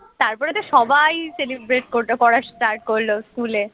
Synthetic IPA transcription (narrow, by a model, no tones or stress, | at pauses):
t̪aɾpɔɾet̪oʃɔbʱajselibɾeʈkoɾʈepɔɾaʃʈaɾʈ̚koɾloskule